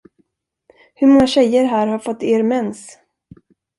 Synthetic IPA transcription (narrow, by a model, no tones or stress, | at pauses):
hɵɾmɔŋːaɕɛjəɾɦæːɾhaɾfɔt̪ːeːɾmɛns